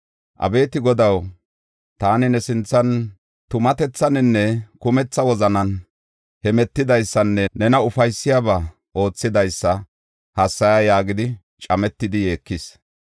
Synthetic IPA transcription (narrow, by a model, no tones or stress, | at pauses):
ʔɐ̰be̞ːt̪ɪɡɔd̪ɐw | t̪aːnɪnɛsɪnt͡sːɐn | t̪ʊmɐt̪ɛt͡sːɐnɛnːɛkʊmɛt͡sːɐwɔzɐnɐn | hɛmɛt̪ːɪd̪ɐjsːɐnːɛnɛnɐʊfɐjsːɪjaːba | ʔo̞ːt͡sːɪd̪ɐjsːɐ | hɐsːɐjajaːɡɪd̪ɪ | t͡ʃʼɐmɛt̪ːɪd̪ɪje̞ːkːɪs